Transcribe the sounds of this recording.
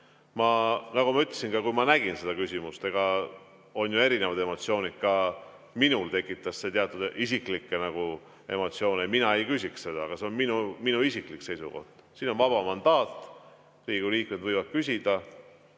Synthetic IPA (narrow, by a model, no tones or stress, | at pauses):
mɑnɑɡumɑyt̪ːˑlesinkɑkujmɑnæɡ̥inse̞d̪ɑkysʲimust̪e̞ɡ̥ɑ | o̞njue̞ɾinevɑd̪̥e̞mo̞t̪sio̞ːnid̥̪̚kɑ | minult̪e̞kːˑit̪ːˑɑsse̞t̪eɑt̪ːˑud̪isiklikˑːenɑɡ̥u | emo̞t̪sio̞ːneminɑe̞jkysʲiksse̞d̪̥ɑɑɡ̥ɑse̞o̞nminuminuisiklikːse̞jsuko̞̰ht̪siːno̞nvɑb̥ɑmɑnd̪̥ɑːt̪ːˑ | riːɡ̥uliːk̚med̪̥vɤjvɑd̪̚kys̬ʲid̪̥ɑ